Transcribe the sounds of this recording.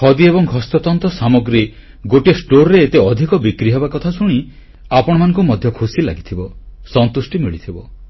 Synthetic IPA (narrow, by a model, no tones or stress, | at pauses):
hɔd̪iebɔŋɦɔst̪ɔt̪ɔnt̪ɔsamɔɡɾi | ɡoʈiesʈoɾːet̪eɔd̪ʱikɔbikɾiɦebakɔt̪ʰasuɽ̃i | apɔɽ̃ɔmanɔ̃ŋkumɔd̪ʱjɔkʰusila̰ɡit̪ʰibɔsɔnt̪usʈimiɭit̪ʰibɔ